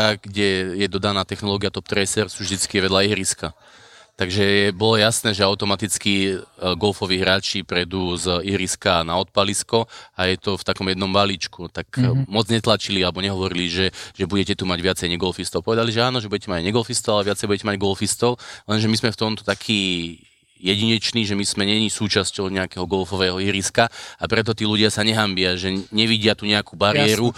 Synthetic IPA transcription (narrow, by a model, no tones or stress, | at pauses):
aɡɟɛjɛd̪ɔd̪anaːt̪ɛxnɔlɔːɡijat̪ɔp̚t̪ɾɛsɛɾsuːvʒd̪it͡skiʋɛd̪laiɦɾiska | t̪aɡʒɛjɛbɔlɔjasnɛːʒɛaʊt̪ɔmat̪it͡skiɡɔlfɔʋiːɦɾaːt͡ʃipɾɛd̪uːziɦɾiskanaɔt̪̚paliskɔajɛt̪ɔft̪akɔmjɛd̪nɔmbalit͡ʃkut̪akmɔd͡zɲɛt̪lat͡ʃilialɛbɔɲɛɦɔʋɔɾiliʒɛʒɛbuɟɛcɛt̪umaɟʋɪat͡sɛjɲɛɡɔlfist̪ɔlpɔʋɛd̪aliʒɛaːnɔʒɛbuɟɛcɛmaɟɲɛɡɔlfist̪ɔlalɛʋɪat͡sɛjbuɟɛcɛmaɟɡɔlfist̪ɔllɛnʒɛmizmɛft̪ɔmt̪ɔ̥t̪akʰiː | jɛɟiɲɛt͡ʃniːʒɛmiz̥mɛɲɛɲisuːt͡ʃascɔʊɲɛakɛɦɔɡɔlfɔʋɛːɦɔiɾiskaapɾɛt̪̬ɔt̪iːluɟɪasaɲɛɦambɪaʒɛɲɛʋiɟɪat̪uɲɛakuːbaɾiɛɾu